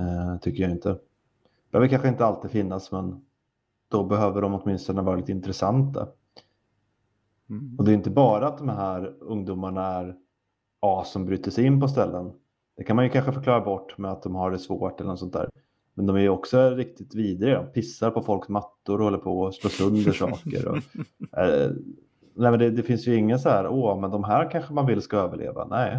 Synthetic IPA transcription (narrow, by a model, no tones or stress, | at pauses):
t̪ʰʏkːəjaɪnt̪ə | b̪ə̥høœːvəɾkanɧəɪnt̪əalt̪iːd̪fɪnːasmɛn | d̪̥ɔbɛɦøːvəɖɔmɔt̪mɪnst̪ɔnəvɑːɾalɪt̪ɪnt̪ɾɛsant̪ʰa̰ | ɔd̪ɛːjɪnt̪əbɑːɾaat̪̚d̪ɔmɦæːɾɵŋd̪uːmaɳaæɾ | ɑːsɔmbɾyːt̪əʂɛɪnːpɔs̬t̪ɛlːən | d̪̥ɛkʰanmanjɵkʰanɧəfœɾklɑːɾabɔʈːmɛat̪̚d̪ɔmhaɖɛsvo̰ːʈɛlːənɔsɔnt̪æ̰ːɾ | mɛnd̪ɔmæjɵɔksɔæɾɪk̚t̪ɪt̪viːd̪ɾɪɡad̪ɔmpʰɪsːaɾpɔfɔlksmat̪ːʊɾɔhɔlːəɾpʰɔsloːsɵnd̪əʂɑ̰ːkə̰ɾɔ̰ʔɛl̰ | nɛmɛnd̪ɛd̪ɛfɪnsjəɪŋːəns̬ahæːɾoːmɛnd̪ɔmɦæːɾkʰanɧəmanvɪlskaøːvəɭḛːva̰nɛj